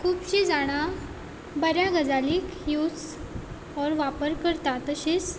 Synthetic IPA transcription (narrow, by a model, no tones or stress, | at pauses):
kʰuːpɕid͡zaɽ̃a | bəɾjaɡəd͡zaliːk | jut͡s | ɔɾʋapəɾkəɾt̪at̪əɕet͡s